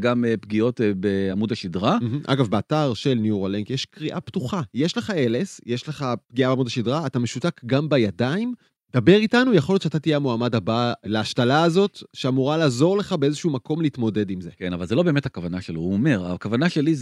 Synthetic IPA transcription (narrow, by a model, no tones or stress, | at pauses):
ɡampɡio̞tbeamudaʃidʁam̩ʔa̰ɡafbeataʁʃelnjuʁaleŋkjeʃkʁiʔaptuχajeʃleχaelesjeʃleχap̚ɡiabamudaʃidʁaːt̪ameʃutakɡambajadaim | d̪̥abe̞ʁitanujaχljott͡ʃʃat̪atijeamoamadabaleaʃtalaːzo̞tʃeamuʁalaːzo̞ʁle̞χabeezeʃuumakʰo̞mleit̪mo̞de̞dimzekenavalzelo̞bemethakavanaʃelouomeʁakavanaʃeliz